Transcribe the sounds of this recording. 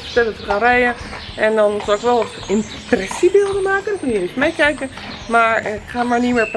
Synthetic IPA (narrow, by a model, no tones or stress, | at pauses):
əstɛlɔtəχarɛjə | ɛndɔnsɔlɪkʋɛlˠɔ | ɪm | prɛsibɪlˠdəmaːkəndɔnkønjəestmɛjkɛjkə | maɹkχaːmaɹnimɪːɹp